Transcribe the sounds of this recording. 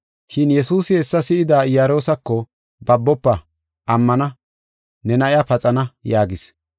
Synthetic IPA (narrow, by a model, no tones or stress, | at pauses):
ʃɪnjɛsuːsɪhɛsːɐsɪɪd̪aːɪjaɾo̞ːsɐkːɔ | bɐbːɔpːɐ | ʔɐmːɐnɐ | nɛnɐʔɪjapɐt͡sʼɐnɐjaːɡɪs